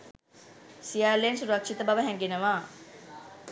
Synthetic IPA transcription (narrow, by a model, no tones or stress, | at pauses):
sijaːleensuɾɐkʂit̪əbaʋəɦɛŋɡenəʋaː